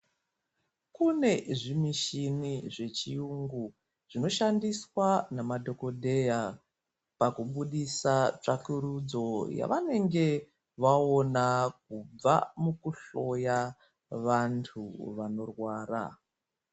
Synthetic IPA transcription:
kune̞ʐimiʃiniʐe̞t͡ʃiuŋɡu | ʐ̥ino̞ʃandiswanamadʱo̞ko̞dʱe̞ja | pakuɓuɗisat͡ʂakuɾud͡zo̞ja̰ʋane̞ŋɡe̞ | ʋao̞nak̚ub͡va̰mukuɬo̞ja | ʋantʰuʋano̞rwaːra̰

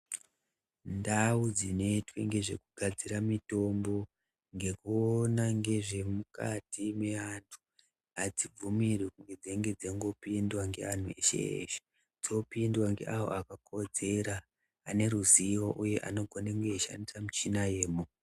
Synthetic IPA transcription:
ndaud͡zino̞itwe̞ŋɡe̞ʐe̞̰kuɡ̥ʱad͡ziɾamito̞mbo̞ | ŋɡe̞kuonaŋɡe̞ʐe̞muka̰time̞ʋantʰu̥ | ad͡zib͡vumirekuŋɡe̞d͡zeŋɡe̞d͡zeŋɡo̞pindwaŋɡe̞̰an̤ue̞ʃe̞̰ḛʃe̥ | d͡zo̞pindwaŋɡe̞̰ʔawo̞̰akako̞d͡ze̞ɾaː | ne̞ɾuziwoʔuje̞ʔa̰no̞ɡʱoneŋɡeeʃa̰ndisamut͡ʃinaje̞ːmu

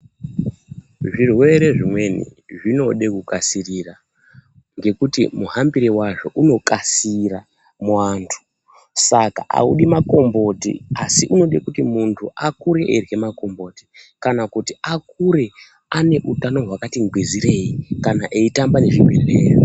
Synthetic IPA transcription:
ʐirwe̞ɾe̞ʐimwe̞nḭʐino̞ɗekukasirira | ŋɡe̞kutimuɦambiɾiwaʐo̞ʔuno̞kasira | mwaːntʰu̥ | sakaʔa̰uɗimako̞mbo̞tḭasiʔuno̞ɗekutimuntʰuʔakuɾe̞ʔerje̞mako̞mbo̞ti̥kanakutiak̚uɾe̞ | ane̞ʔutano̞ɦwakatiŋɡwiziɾe̞ikanaʔeitambane̞ʐimwereːri

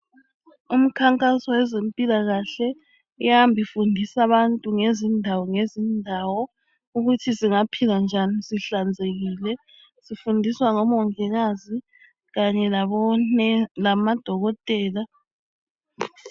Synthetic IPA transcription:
um̩kʰaŋkʼasɔwɛzempʼilaɣaɬɛ | ujambʱifundʱisaβantʼuŋezindʱawɔŋezindʱawɔ | uɣutʰisiŋapʰiland͡ʒʱanisiɬand͡zʱeɣiːlɛ | sifundʱiswaŋɔmɔŋɛɣazi | ɣaɲɛlɔnlamad̥ʱɔɣɔtʼɛːla

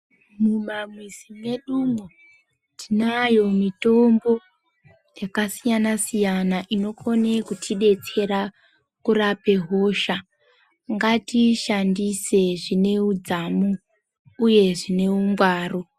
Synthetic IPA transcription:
mumamwizimwe̞ɗumu | tinajo̞mito̞mbo̞ | jakasijanasijanaʔino̞ko̞nekutʰiɗe̞t͡se̞ɾa | kurape̞ɦo̞ʃa | ŋɡatiʃandise̞ʐine̞ud͡zamuː | je̞ʐine̞umɡwaːro

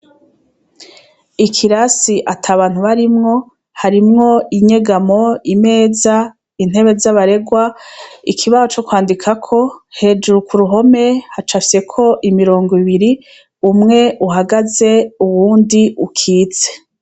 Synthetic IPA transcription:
ikʰiɾasiʔatʰaːβaːn̥huβaɾimŋo̞ | haɾimŋo̞iɲe̞ɡamo̞ime̞ːza | in̥e̞βe̞zaβaɾe̞ɡwaikʰiβazot͡ʃo̞kwaːndikʰakʰo̞he̞ːd͡ʒuɾukʰuɾuɦo̞me̞hat͡ʃafi̥se̞kʰo̞ʔimiɾo̞ːŋɡoiβiɾi | umŋe̞ʔuɦaɡaze̞uwuːndiukʰiːt͡se̥

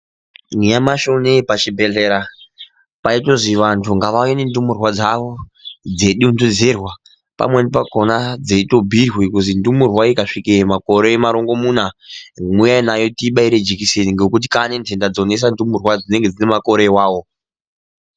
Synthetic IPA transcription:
nijamaʃonepat͡ʃibʱe̞ɮeɾa | paitoʐiʋantʰuŋɡaʋainendumurwad͡zaʋo̞d͡ze̞ɗunduzerwa | pa̰mwe̞nipakonad͡zeito̞bʱirwikuzindumurwaikaʂikemako̞ɾe̞ːmaɾoŋɡo̞munamujainajo̞tiɓaiɾed͡ʒikiseniŋɡekut̬i̥kanendʰendad͡zo̞ne̞s̬andumurwad͡zine̞ŋɡe̞d͡zine̞mako̞ɾewaːwo̞

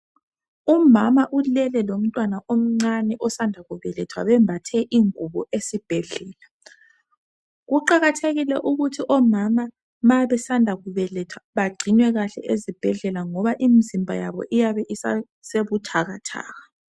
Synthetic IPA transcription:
umamaʔulɛlɛlom̩tʼwanaʔom̩ŋ͡ǀanɛʔɔsandʱaɣuβɛlɛtʰwa̰βɛmbʱatʰɛʔiŋuβɔ̰ʔesib̥ʱɛɮɛːla | ɣuǃaɣatʰeɣilɛʔuɣutʰiʔɔmama | majβɛsandʱaɣuβɛlɛtʰwaβaɡ͡ǀʱinwɛɣaɬɛ̰ʔezib̥ʱɛɮɛlaŋɔβaʔimizimbʱa̰ja̰βɔ̰ʔijaβɛʔisa | seβutʰaɣatʰa̰ːɣa

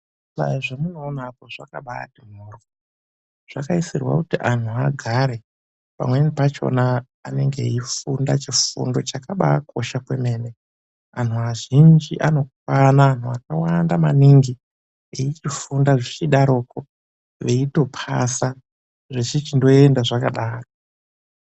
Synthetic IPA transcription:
ɓa̰ʐamunoːnaːpoʐakaɓa̰ːtim̤uːr | ʐ̥akaisirwa̰kutiʔan̤uaɡʱaɾe̞ | pa̰mwe̞nipat͡ʃo̞̰naː | ne̞ŋɡeifundat͡ʃifṵndo̞t͡ʃakaɓaːkʰo̞ʃakweme̞ːne | anuaʒind͡ʒiʔano̞k̚wanaːn̤uakawandamaniŋɡi | eit͡ʃifundaʐit͡ʃiɗaɾoko | ʋe̞ito̞pʰa̰sa | ʐet͡ʃit͡ʃindo̞endaʐakaɗaːro

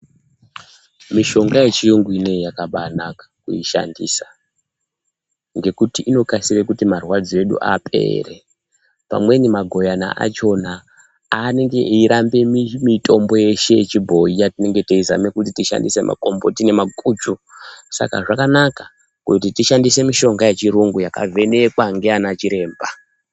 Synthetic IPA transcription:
miʃo̞ŋɡaje̞t͡ʃijuŋɡwine̞jakaɓanakḁkuiʃa̰ndḭːsa | ŋɡe̞kutiʔino̞kasirekutimarwad͡zie̞ɗṵʔa̰pʰe̞̰re̞ | pa̰mwe̞nimaɡʱo̞jana̰ʔa̰t͡ʃo̞na | ane̞ŋɡe̞ʔiɾambe̞mimitʰo̞mbo̞je̞ʃe̞t͡ʃibʱo̞ijatine̞ŋɡe̞teiza̰me̞kutitiʃa̰ndise̞mʔa̰ko̞mbo̞tine̞makuːt͡ʃusa̰ka̰ʐakanaka | kutitiʃandise̞miʃo̞ŋɡajet͡ʃiɾuŋɡujaka̰vʱe̞ne̞kwaŋɡeanat͡ʃiɾe̞ːmba

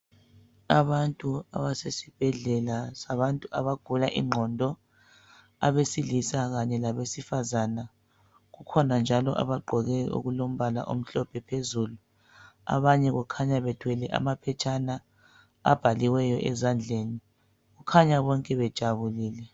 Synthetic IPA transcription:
aβantʼua̰βasesib̥ʱɛɮɛlasaβantʼuaβaɡ̥ʱulaʔḭŋ͡ǃʱɔndʱɔ | a̰βesilisaɣaɲɛlaβesifazana | ɣukʰɔnand͡ʒʱalɔ̰ʔa̰βaɡ͡ǃʱɔɣɛo̰ɣulom̩βala̰ʔom̩ɬɔb̥ʱɛpʰezuːlu | a̰βaɲɛɣukʰaɲaβɛd̥ʱwɛlɛʔa̰mapʰɛt͡ʃʰʼana | a̰b̥ʱaliwɛjɔʔɛzand͡ɮʱeːni | ɣukʰaɲaβɔŋkʼɛβɛd̥ʒ̥ʱaβuliːlɛ

